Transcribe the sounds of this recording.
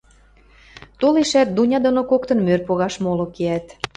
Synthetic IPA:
t̪oleʃæt̪̚d̪unʲɑd̪onokokt̪ɤ̆nmørpoɣɑʃmolokeæt̪

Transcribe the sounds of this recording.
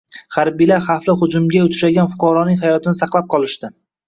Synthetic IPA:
haɾbijlaɾχaflɪχʊd͡ʒʊmɡʲaʊt͡ʃʰʃaɡʲanfʊ̥qɒɾɒnɪŋʲɦajɒt̪ʰɪnɪsɑqlˠap̚qʰɒlˠɪʃt̪ɪ

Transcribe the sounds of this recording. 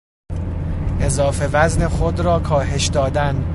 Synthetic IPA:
ʔe̞zɒːfe̞væzne̞xod̪ɾɒːkʰɒːɦe̞ʃd̪ɒːd̪æn

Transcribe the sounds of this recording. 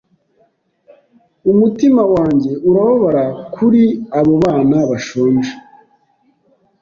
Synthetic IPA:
umutimawaːɲɟe̞ʔuɾaβoβaɾakʰuɾiaβo̞βaːnaβaʃoːnʒa

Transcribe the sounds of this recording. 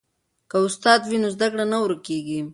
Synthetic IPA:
kaʊst̪ɑd̪winozd̪akɽanawɾkeɡi

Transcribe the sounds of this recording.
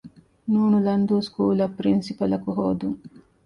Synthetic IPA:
nuːnulɐnd̪uːskuːlɐpːɾinsipɐlɐkuɦoːd̪uŋ

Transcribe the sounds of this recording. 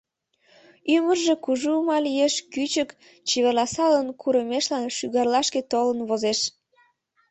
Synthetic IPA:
ymərʒe̽kuʒumɑlijeʃkyt͡ɕək | t͡ɕiβerlɑsɑlənkʰuɾəmeʃlɑnʃyɣɑrlɑʃket̪olənβozeʃ

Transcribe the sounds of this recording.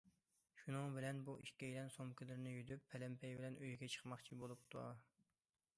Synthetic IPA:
ʃunɨŋbɪlɛnbuʔiʃkʲɛjilɛnsomkʲɪlɪɾɪnɪjyd̪ypʰːɛlɛmpʰɛjbɪlɛnøjɡʲɛt͡ʃʰə̥χmɑχt͡ʃʰibolˠup̚t̪ʰṵ

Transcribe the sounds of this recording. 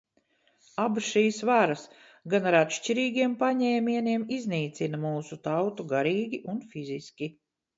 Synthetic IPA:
abusʃiːsvaɾas | ɡanaɾat̪ʃt͡ʃiɾiːɡʲiɛmpaɲɛːmiɛniɛmizniːt̪sinɐmuːsut̪awt̪uɡaɾiːɡʲiʔunfiziskʲi

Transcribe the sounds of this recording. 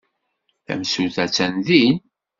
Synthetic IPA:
θæ̰msuθæt͡sːænðin

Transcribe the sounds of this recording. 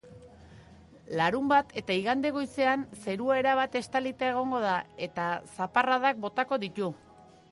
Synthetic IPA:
laɾumbat̪ʰe̞t̪aiɣand̪e̞ɣ̞o̞jse̞anse̞ɾuaeɾaβat̪e̞st̪alit̪ae̞ɣ̞o̞ŋɡo̞ð̞ae̞t̪asaparaðak̚bo̞t̪ako̞ðit̪u

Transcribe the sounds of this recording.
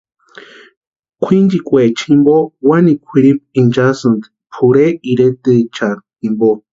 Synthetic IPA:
kʷʰind͡ʒikʼwet͡ʃʰimbowanikʷʰiɾip̚ind͡ʒasɨnd̪ | pʰuɾeiɾet̪ɨt͡ʃatimbo

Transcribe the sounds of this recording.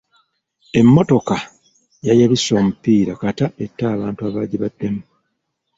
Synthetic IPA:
e̞mːo̞to̞ka | jajaβisːo̞ːmupːiːɾakatae̞tːaːβaːntuaβaːɟiβadːe̞mu

